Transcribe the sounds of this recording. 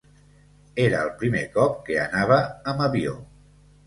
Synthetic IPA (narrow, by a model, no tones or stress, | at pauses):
eɾəːlˠpɾimekɔp̚keənaβ̞əːməβio̰